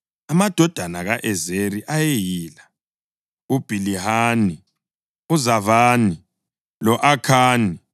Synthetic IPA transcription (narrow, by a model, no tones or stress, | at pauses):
amad̥ʱɔd̥ʱanaɣaʔɛzeɾiʔajejiːla | ub̥ʱilihaːni | uzavaːni | lɔʔakʰaːni